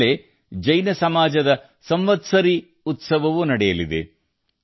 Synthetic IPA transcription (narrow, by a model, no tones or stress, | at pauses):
e | d͡ʒɐjnɐsɐmaːd͡ʒɐd̪ɐ | sɐmʋɐt̪sɐɾi | ut̪sɐʋɐʋunɐɽɛjɐlid̪ḛ